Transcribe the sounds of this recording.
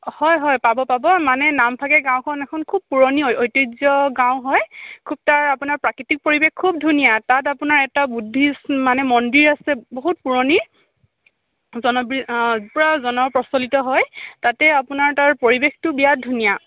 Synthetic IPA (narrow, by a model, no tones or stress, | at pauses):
hɔjɦɔjpabɔpabɔmanɛnampʰakɛɡãwkʰɔnɛkʰɔnkʰub̚puɹɔniojtizjɔɡãw̃ɦɔjkʰub̚taɹapunaɹpɹakɹitik̚poɹibexkʰːub̚dʱunijatatapunaɹɛtabudʱːismanɛmɔndiɹasɛboɦutpuɹɔni | zɔnɔbɹipɔɹazɔnɔpɹɔsɔlitɔɦɔjtatɛapunaɹtaɹpoɹibextʊbijadʱunija